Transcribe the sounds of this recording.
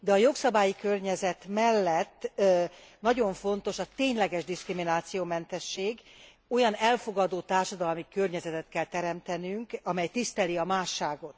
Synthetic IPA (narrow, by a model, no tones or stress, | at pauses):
d̪ɛɒjo̞ksɒbaːjikørɲɛzɛt̪mɛlːɛt̪ː | nɒɟo̞ɱfo̞nt̪o̞ʃɒt̪eːɲlɛɡɛʒd̪iskriminaːt̪sijoːmɛnt̪ɛʃːeːɡ | o̞jɒnɛlfo̞ɡɒd̪oːt̪aːrʃɒd̪ɒlmikørɲɛzɛt̪ɛt̪kɛlt̪ɛɾɛmt̪ɛnyŋkɒmɛjt̪ist̪ɛliɒmaːʃːaːɡo̞t̪